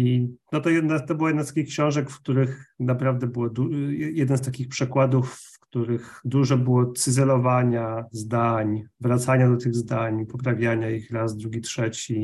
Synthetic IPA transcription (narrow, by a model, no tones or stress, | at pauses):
inɔt̪ɔjɛd̪nat̪ɔbɘwajɛd̪nast̪akʲixkɕɔ̃w̃ʐɛkfkt̪uɾɘxnapɾavd̪ɛbɘwɔd̪uɛjɛd̪nst̪akʲixpʂɛkwad̪ufːkt̪uɾɘxd̪uʐɛbɘwɔt̪sɘzɛlɔvaɲazd̪aɲvɾat̪saɲad̪ɔt̪ɘɣzd̪aɲpɔpɾavʲjaɲaixɾazd̪ɾuɡʲitʂɛt͡ɕi